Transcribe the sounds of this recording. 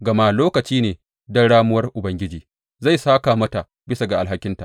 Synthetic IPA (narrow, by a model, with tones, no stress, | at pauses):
ɡɐ˨ma˦loː˦kɐ˨t͡ʃiː˦neː˨ | dɐ˦ɽaː˦mʊ˦wɐ˦rʔʊ˨bɐ˦ŋɡʲɪ˦d͡ʒiː˨ | za˦˨jsaː˦kaː˨mɐ˦ta˨ | bɪ˦sa˨ɡa˨ʔa˨lɦa˦kʲɪ˦nta̰˨ʔ